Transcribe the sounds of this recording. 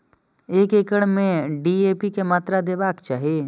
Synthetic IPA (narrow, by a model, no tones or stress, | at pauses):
eːkekəɽmẽɖiːeːpikemaːt̪ɾad̪eːbaːkt͡ʃaːɦieː